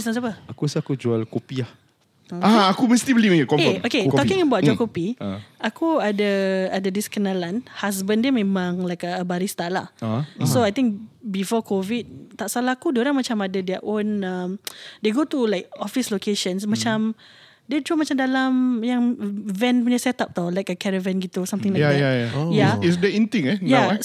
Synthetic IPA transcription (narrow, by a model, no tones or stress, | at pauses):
sãs̬apəakusakud͡ʒualkopiah | əaakuməst̪ibəlimkɔkeoket̪ɔkĩŋəbawt̚d͡ʒualkopiakuadaadadiskənalanhas̬bəndiəmẽmãŋlajkəəbaɾist̪ala̰soajt̪ĩŋk̚bifɔkʰovid̚t̪aʔsalahkudoɾaŋmat͡ʃamadədɛʔõnəmdeɡot̪ulajk̚ɔfislokeʃə̃nsmat͡ʃam | det̪ɾumat͡ʃamdalamjaŋvɛ̃npuɲasɛt̪ap̚t̪awlajkəkɛɾəvɛ̃nɡit̪usamt̪ɪ̃ŋlakaajaisdəĩnt̪ĩŋɛja